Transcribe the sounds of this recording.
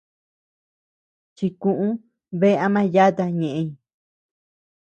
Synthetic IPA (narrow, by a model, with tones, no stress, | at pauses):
t͡ʃi˧kũ˧ʔũ˦ | βe˦˧a˧mã˦ja˦t̪a˧ɲẽ˨ʔẽ˧ĩ˨